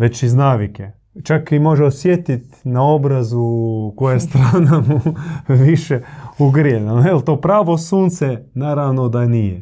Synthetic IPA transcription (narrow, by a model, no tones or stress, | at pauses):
ʋet͡ʃiznaːʋike | t͡ʃakimo̞ʒeosjet̪it̪nao̞bɾazukojest̪ɾaːnamuʋiʃeuɡɾienaelˠt̪oːpɾaːʋo̞suːnt̪sɛnaːɾaʋnod̪anije